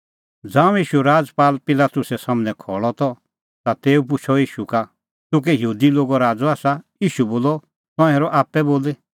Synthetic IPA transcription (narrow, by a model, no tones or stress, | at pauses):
d͡zãːũjiːʃuɾaːd͡zpaːlpɪlaːt̪ʊsɛsamnɛ̃kʰɔːɭɔt̪ɔ | t̪at̪eːupʊt͡ʃʰɔiːʃuka | t̪ʊk̬ɛjɦuːd̪iloːɡɔɾaːd͡zɔaːsajiːʃuboːlɔ | t̪ɔ̃eːɾɔʔaːpɛboːle